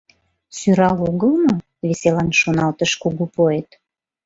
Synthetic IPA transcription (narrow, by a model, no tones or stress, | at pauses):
syɾɑloɣəlno | βeselɑnʃonɑlt̪əʃkuɣupoet̪